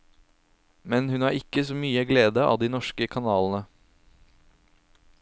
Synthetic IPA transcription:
mɛnhʉnæːɾɪkːəsoːmyːəɡleːd̪əɑ̰ːd̪iːnɔʃkəkʰɑnɑːlənə

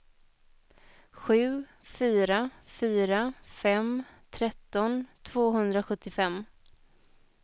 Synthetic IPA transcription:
ɧʉ̟ː | fyːɾafyːɾafɛmt̪ʰɾɛt̪ːɔnt̪ʰvoːɦɵnd̪ɾaɧɵt̪ːɪfɛmː

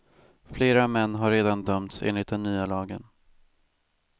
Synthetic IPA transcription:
fleːɾamɛnːɦaɾeːd̪and̪œmt̪sḛːnlɪt̪̚d̪ɛnːyːalɑːɡən

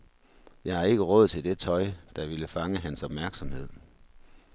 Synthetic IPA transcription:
jɑ̈ɪhɑ̈e̝ɡ̥əʁɔ̽ð̰ˠt͡sʰe̝ld̥e̝t͡sʰɒ̽ɪd̥ɑ̈ʋiləfɑ̈ŋəɦænsɒ̽b̥mæɐɡ̥sɒ̽mhe̝ð̞̰ˠ

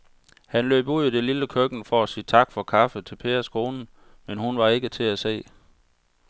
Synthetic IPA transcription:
hænlø̰ːb̥uð̰ˠid̥e̝liləkʰøɡ̥n̩fɒ̽æsiːt͡sʰɑ̈ɡ̥fɒ̽kʰɑ̈fət͡sʰe̝lpʰe̝̰ːɐskʰo̝ːnn̩ | menhunʋɑ̈e̝ɡ̥ət͡sʰe̝æse̝̰ː

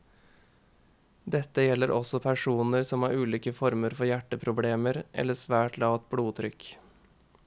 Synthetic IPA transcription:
d̪ɛt̪ːəjɛlːəɾʔɔ̰sɔpʰæʂuːnəɾsɔmhɑːɾʉːliːkəfɔɾməɾfɔɾjæʈːəpʰɾʊbleːməɾʔɛ̰lːəsʋæːʈlɑːʋət̪̚bluːt̪ʰɾʏk

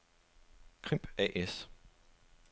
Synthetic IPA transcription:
kʰʁim̰b̥ɛ̰ʔes

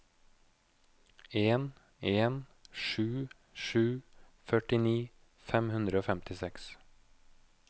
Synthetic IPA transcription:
eːn | eːnʃʉː | ʃʉː | fœʈɪniː | fɛmhʉnd̪ɾəoːfɛmt̪ɪsɛks

